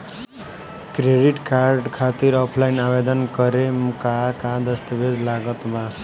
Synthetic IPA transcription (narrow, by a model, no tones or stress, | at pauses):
kɾeɖiʈkarɖkʰat̪iɾʌpʰlajnabed̪ʌnkʌɾemkakad̪ʌst̪ʌbed͡zlaɡʌt̪ba